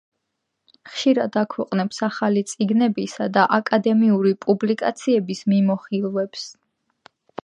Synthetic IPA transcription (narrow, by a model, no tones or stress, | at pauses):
χʃiɾad̪akʰwɛqʼnɛpsaχalit̪sʼiɡnɛbisad̪aʔakʼad̪ɛmiuɾipʼublikʼat̪sʰiɛbismimɔχilˠvɛps